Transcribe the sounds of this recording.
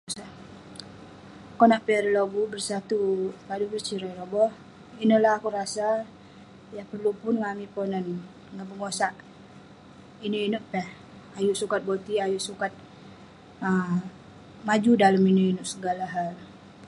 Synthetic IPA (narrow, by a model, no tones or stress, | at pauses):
saʔ | konaʔpɛrloɡubərsat̪upadubərt͡ʃiɾajɾobɔh | inəlahakuɾasa | japərlupʊnŋamiponən | ŋabəŋosaʔ | inəinəʔpɛh | ajuʔsukat̪̚bot̪iajuʔsukat̪̚ | ə | mad͡ʒudaləminəinəʔsəɡalaɦal